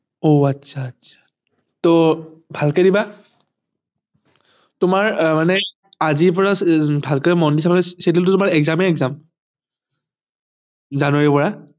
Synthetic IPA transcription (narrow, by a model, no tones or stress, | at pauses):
oatsʰaːtsʰḁ | tobʱalkadiba | tʊmaɹmanɛ | azipɔɹabʱalkəamɔndisamanɛsetiltʊtʊmaɹɛɡzamɛɛɡzam | zanoepɔɹa